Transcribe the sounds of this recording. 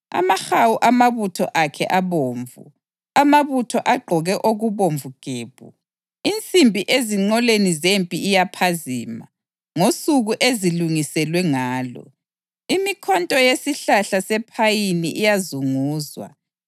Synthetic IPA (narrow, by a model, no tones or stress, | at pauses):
a̰maxawuʔamaβutʰɔʔakʰɛ̰ʔaβoːɱvṵ | amaβutʰɔʔaɡ͡ǃʱɔɣɛʔoɣuβoɱvuɡ̥ʱeːβ̥ʱṵ | int͡sʼimbʱiʔeziŋ͡ǀɔlenizempʼiːjapʰaziːma̰ | ŋosuɣuʔeziluŋisɛlwɛŋaːlɔ̰ | imikʰɔntʼɔjesiɬaɬasɛpʰajiniʔijazuŋuːzwa̰